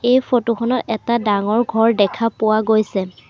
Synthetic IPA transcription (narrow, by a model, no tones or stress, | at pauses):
ejfʰotuxʰɔnɔtɛtadaŋɔɹɡʱɔɹdɛkʰapʊwaɡojsɛ